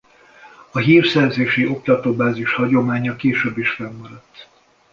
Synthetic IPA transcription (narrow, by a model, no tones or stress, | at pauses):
ɒɦiːrsɛrzeːʃio̞k̚t̪ɒt̪oːbaːziʃhɒɟo̞maːɲɒkeːʃøːbːiʃfɛmːɒɾɒt̪ː